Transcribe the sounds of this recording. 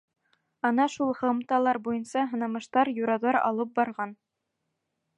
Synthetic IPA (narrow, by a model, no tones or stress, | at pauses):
ɑnɑʃulˠhɤ̆mt̪ɑlˠɑɾbujɤ̆nsɑɦɤ̆nɑmɤ̆ʃt̪ɑɾjuɾɑðɑɾɑ̰lˠɤp̚bɑɾʁɑn